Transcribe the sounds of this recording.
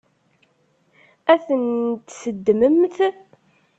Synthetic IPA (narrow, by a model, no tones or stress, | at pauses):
æθənt̪səd̪ːməmθ